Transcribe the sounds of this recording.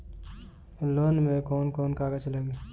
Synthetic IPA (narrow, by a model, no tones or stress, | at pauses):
loːnmẽkoːnkoːnkaːɡəd͡ʒləɡe